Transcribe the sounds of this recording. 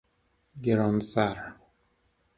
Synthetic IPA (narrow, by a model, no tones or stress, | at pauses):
ɡeɾɔnsaɾ